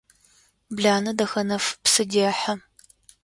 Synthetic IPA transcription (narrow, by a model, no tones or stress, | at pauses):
bɮaːnɐdɐxɐnɐfpsɨdiɐħɐ